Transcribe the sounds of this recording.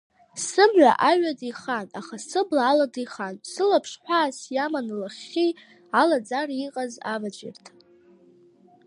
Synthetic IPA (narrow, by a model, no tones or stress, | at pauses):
sɨmʕʷa̰ʔaɥʷadiχanaχasɨblaːladiχansɨlapʰʂħʷᶣaːsjamanlaχʲi | alad͡zariqʼaza̰vad͡ʒʷʼɪ̰rtʰ